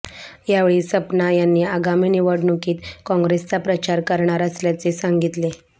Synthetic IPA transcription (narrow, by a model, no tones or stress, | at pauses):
jaʋeɭiːsəpnajanːiːaɡamiːniʋəɽnukiːt̪kɔ̃ŋɡɾest͡sapɾət͡ɕaɾkəɾɳaɾəsljat͡sesaŋɡit̪le